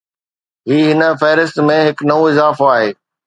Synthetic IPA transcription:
ɦiːɦɪnə̆fɛːɾɪst̪mẽɦɪknɐũɪzaːfoaːɦeː

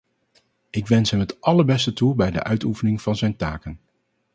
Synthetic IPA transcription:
ʔɪkʋɛnsɦɛmɦətʔɑləɹbɛstətulˠbɛjdə̰ʔœɥtufənɪŋv̥ɑnzɛjntaːkən

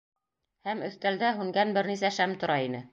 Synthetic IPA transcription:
hæmɵ̆θt̪æld̪æɦʉŋɡænbɘɾnisæʃæmt̪ŏɾɑinɘ

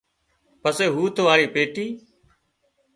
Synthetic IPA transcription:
pəseːɦuːt̪ʋaːɽiːpeːʈiː

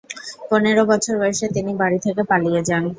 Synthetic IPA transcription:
poneɾobɔt͡ɕʰoɾɔeʃet̪inibaɽit̪ʰekepalijed͡ʑan

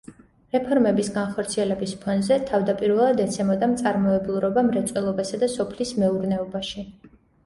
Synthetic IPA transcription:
ɾɛpʰɔɾmɛbisɡanχɔɾt̪sʰiɛlɛbispʰɔnzɛt̪ʰavd̪apʼiɾvɛlˠad̪ɛt̪sʰɛmɔd̪amt̪sʼaɾmɔɛblˠuɾɔbamɾɛt̪sʼwɛlˠɔbasad̪asɔpʰlismɛuɾnɛɔbaʃi

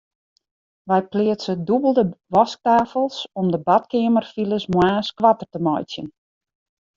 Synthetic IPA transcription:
ʋɛjplɪəsədubəlˠdəʋɔsk̚taːfəlˠsɔmdəbatkɪəmərfiləsmwaːskʋatərtəmɔjt͡sjən

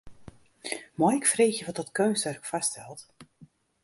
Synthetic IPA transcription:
mɔjɛkfreːxjəʋɔt̚dɔtkøːnstɛrkfastʰɛlˠt

